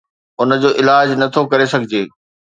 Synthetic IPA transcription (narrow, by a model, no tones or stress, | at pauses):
ʊnəd͡ʑoːʔɪlaːd͡ʑnɐt̪ʰokɐɾesɐɡʱɪd͡ʑeː